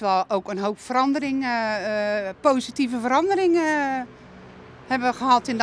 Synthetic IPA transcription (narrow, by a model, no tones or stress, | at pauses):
ʋɛlˠowkənɦowpfərɑndərɪŋ | poːzitivəvəɾɑndərɪŋ | hɛbəʋəɣəɦɑtɪnd